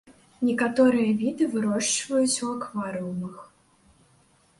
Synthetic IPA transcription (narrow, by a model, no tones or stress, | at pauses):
nʲɛkat̪ɔɾɨjɐvʲid̪ɨvɨɾɔʂt͡ʂvɐjut͡sʲuakvaɾɨwmɨx